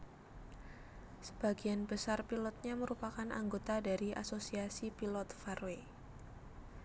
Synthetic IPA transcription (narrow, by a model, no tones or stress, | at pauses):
sə̥b̥aɡianbəsarpilɔt̪̚ɲaməɾupakanʔa̰ŋɡot̪adaɾiʔa̰sosiasipilɔt̪farwe